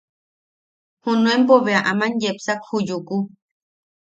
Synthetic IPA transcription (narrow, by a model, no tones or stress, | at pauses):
hũnũempoβeaʔamãnjepsakhujuku